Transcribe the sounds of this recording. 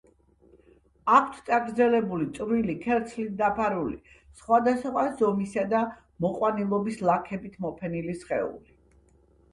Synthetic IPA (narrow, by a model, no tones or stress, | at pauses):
akʰt̪ʰt̪ʼaɡɾd̪zɛlɛbulit̪sʼvɾilikʰɛɾt̪sʰlit̪̚d̪apʰaɾulḭ | sχwad̪asχwazɔmisad̪a | mɔqʼwanilˠɔbislˠakʰɛbit̪ʰmɔpʰɛnilisχɛ̰ṵli